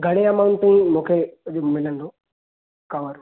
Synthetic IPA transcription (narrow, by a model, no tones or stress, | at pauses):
ɡʱɐɽ̃eɐmawʊ̃ɳʈɪĩmũːkʰeʄmɪlənd̪o | kɐʋəɾ